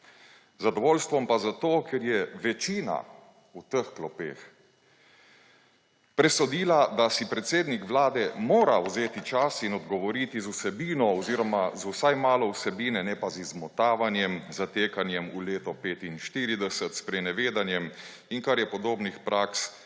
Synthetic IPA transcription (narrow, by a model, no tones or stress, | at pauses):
zad̪ɔʋoːlst̪ʋɔmpazat̪oːkʰɛɾjɛʋɛt͡ʃiːna̰ | ut̪əxklɔpḛːx | pɾɛsɔd̪iːlad̪asipɾɛt̪seːd̪nikʋlaːd̪ɛmoːɾawzeːt̪it͡ʃasinɔd̪ɡɔʋɔɾiːt̪izusɛbiːnɔɔziːɾɔmazusajmaːlɔwsɛbiːnɛnɛpazizmɔt̪aːʋanjɛmzat̪eːkanjɛmuleːt̪ɔpeːt̪inʃt̪iːɾid̪ɛsət̪spɾɛnɛʋeːd̪anjɛm | iŋkaɾjɛpɔd̪oːbnixpɾaks